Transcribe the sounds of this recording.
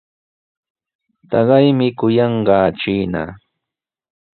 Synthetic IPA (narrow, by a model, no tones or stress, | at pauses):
t̪ɑɢɑjmɪkʊjɑɴɢɑːt͡ʃiːna̰